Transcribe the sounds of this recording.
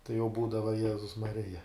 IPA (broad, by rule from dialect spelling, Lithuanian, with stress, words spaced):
tɐɪ jɛʊ ˈbuːdɐʋɐ ˈjæːzʊs mɐˈrʲɪjɛ